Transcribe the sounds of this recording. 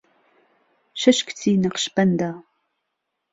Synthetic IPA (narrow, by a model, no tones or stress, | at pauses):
ʃɐʃkʰtʰiːnɐqʃpʰɐndaː